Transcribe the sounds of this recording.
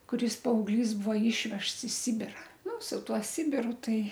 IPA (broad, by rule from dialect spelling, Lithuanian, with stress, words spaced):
kʊˈrʲɪs pɐɐʊɡˈlʲiːs ˈbuɔ ˈiːʃʲʋʲɛʃts ɪ ˈsʲɪbʲɪrɐ ˈnʊ sʊ ˈtuɔ ˈsʲɪbʲɪrʊ ˈtɐɪ